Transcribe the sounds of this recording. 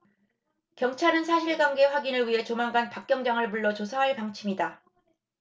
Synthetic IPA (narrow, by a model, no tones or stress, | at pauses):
kjʌŋt͡ɕʰaɾɯnsʰaɕʰiɭɡwaŋɡe̞ɸwaɡinɯɭɥiɦe̞t͡ɕomaŋɡanpak͈jʌŋd͡ʑaŋɯɭmuɭːʌt͡ɕosʰaɦaɭpaŋt͡ɕʰimida